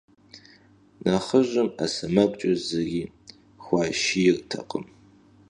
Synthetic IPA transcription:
naχəʒʷɐmasɐmɐkʷʼt͡ʃʼɐzɐɡʲi | xʷaːʃijɪrtʰɐ̰qʼə̰m

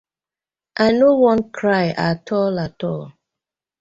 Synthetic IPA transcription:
ʔanowɔ̃nkʰɾaɪʔatʰɔlatɔl

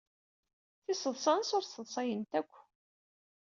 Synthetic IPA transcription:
θisəðˤsˤɑnsʊɾsəðˤsˤɑjənt̪ækʷː

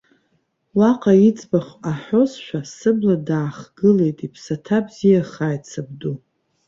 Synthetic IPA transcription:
waqʼait͡sʼbaχʷaħo̞zʃʷᶣasɨbladaːχɡɨle̞jtʼipʰsatʰabzijaχaːjt͡sʰab̚du

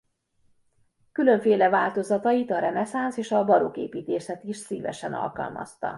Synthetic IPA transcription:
kylø̞ɱfeːlɛvaːlt̪o̞zɒt̪ɒjit̪ɒɾɛnɛsanseːʃɒbɒɾukḛːpiːt̪eːʃɛt̪iʃsiːvɛ̰ʃɛnɒ̰lkɒ̰lmʔɒ̰st̪ɒ̰

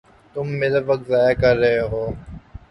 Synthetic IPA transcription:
t̪ʊmːeːɾəʋɐk̚t̪zaːjakɐɾːɐɦeɦoː

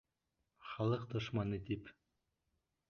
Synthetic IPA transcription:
χɑlˠɤqd̪ŏʃmɑnɨt̪ip

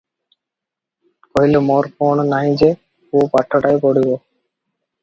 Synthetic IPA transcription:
koɦilemoɾpoɳnaɦĩd͡ʑe | kuopaʈʰːoʈajpoɽibo

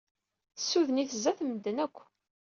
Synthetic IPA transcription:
θə̥sːuðəniθəzæθməd̪ːənækʷː

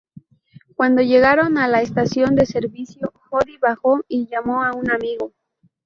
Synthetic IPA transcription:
kwand̪o̞ʝe̞ɣaɾo̞nalaest̪asjo̞nd̪e̞se̞ɾβisjoxoðiβaxo̞iʝamo̞aunamiɣo̞

